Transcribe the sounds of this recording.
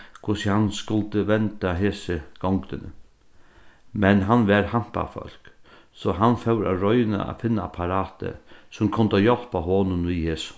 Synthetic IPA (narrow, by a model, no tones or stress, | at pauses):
kʰʊsihanskʊlt̪əʋɛnt̪aɦeːsəɡ̥ɔŋkt̪ɪnə̰ | mɛnɦanːʋɛɾham̥pa̰fœ̰l̥k | sɔɦanfɛwɾaɾɔʏna̰ʔa̰fɪnːaapʰaɾaːt̪ə̰sʊmkʰʊnt̪ajɔl̥paɦoːnʊnʋiːheːs